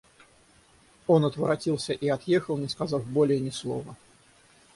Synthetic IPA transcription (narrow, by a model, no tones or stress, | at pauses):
o̞nɐt̪vəɾɐtʲilˠsʲəʔiɐt̪jexəlˠnʲɪskazɑfbolʲɪjənʲɪslˠo̞̰və